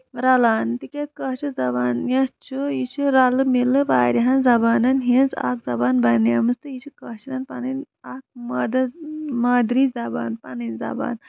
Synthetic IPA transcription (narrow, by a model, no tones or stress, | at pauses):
ɾɐlaːnt̪ikʲet͡skɐɦt͡ʃʰizɐbaːnjɐt͡ʃʰujit͡ʃʰiɾɐlɨmilːɨʋaːɾʲiɦɐnzɐbaːnɐnɦĩnza̰kzɐbaːnbɐnjɐmɨst̪ɨjit͡ʃʰikɐt͡ʃʰinɐnpɐnɨn | ak̚mɐd̪ɐmaːd̪ɾizɐba̰ːnpɐnɨnzɐ̰ba̰ːn